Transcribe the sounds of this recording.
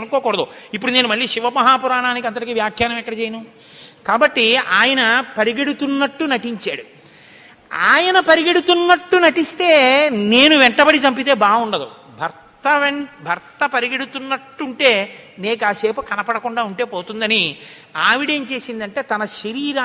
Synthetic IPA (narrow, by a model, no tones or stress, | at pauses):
ɐnukoːkɔːɽɐd̪o̰ipːuɽuneːnumɐɭːiːʃiʋɐmɐɦaːpuɾaːɳaːnik̬iɐnd̪ɐɽɾɐkiːʋjaːkʰjaːɾɐnɐmɛkːɐɽɐt͡ʃeːjɐnu | kaːbɐʈːiaːjɐnɐpɐɾiɡeɽut̪unːɐʈːunɐʈiɲt͡ʃaːɽu | aːjɐnɐpɐɾiɡeɽut̪unːɐʈːunɐʈist̪e̞ːneːnuʋɛɳʈɐbɐɽit͡ʃɐmpit̪e̞ːbaːɡuɳɖɐd̪ṵ | bʱɐɾtt̪ɐbʱɐɾt̪ɐpɐɾiɡeɽut̪unːɐʈːuɳʈe̞ː | neːk̬aːse̞ːpukɐnɐpɐɽɐkuɳɖaːuɳʈe̞ːpo̞ːt̪und̪ɐni | aːʋiɽeɲt͡ʃe̞ːsind̪ɐɳʈe̞ːt̪ɐnɐʃɐɾiːɾaː